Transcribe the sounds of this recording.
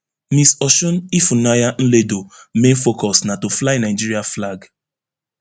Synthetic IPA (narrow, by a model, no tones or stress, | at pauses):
misɔʃɔ̃nifunajan̩ledomẽnfokɔsnatoflainaɪd͡ʒiɹiaflaɡ